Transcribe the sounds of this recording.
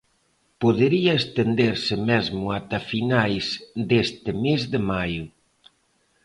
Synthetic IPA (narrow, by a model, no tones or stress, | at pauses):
poðeɾiaest̪end̪eɾsɪmɛzmʊat̪afinajsd̪est̪ɪmezðemajʊ